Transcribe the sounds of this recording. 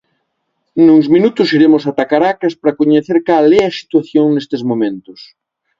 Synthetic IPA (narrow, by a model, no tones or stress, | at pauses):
nuŋzminut̪ʊsiɾemʊsat̪akaɾakɐspɾɐkoɲeθeɾkalɛɐsi̥t̪waθjoŋnest̪ezmomẽnt̪ʊs